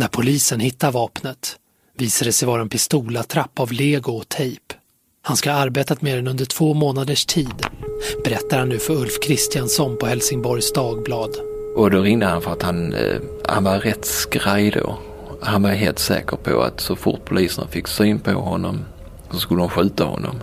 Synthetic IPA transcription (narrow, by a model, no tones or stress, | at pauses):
næɾpʰʊliːsənhɪt̪ːaɾvɑːpnət̪ | viːsad̪əsɛjvɑːɾaɛnpʰɪst̪uːlat̪ʰɾapːavleːɡʊɔt̪ʰɛjp | hanskaaɾbeːt̪at̪meːɾɛnɵnd̪əʈʰv̥oːmoːnad̪əʂʈʰiːd̪b̥ɛɾɛt̪ːaɾhanːʉ̟ːfœɾɵlfkʰɾɪst̪ɪjansɔnpʰɔhɛlsɪŋbɔɾjsd̪ɑːɡblɑːd̪ʔɔd̪ɔɾɪŋd̪əhanfœɾat̪hanha̰nvaɾɛt̪skɾajd̪o̰ | hanvaɦeːlt̪sɛ̰ːkəɾpʰɔ̰a̰t̪sɔfʊ̰ʈ̚pʰʊliːsəna̰fɪkːsyːnpʰɔ̰hɔnːɔm | sɔskɵləhʊmɧʉ̟ːt̪ahɔ̰nːɔ̰m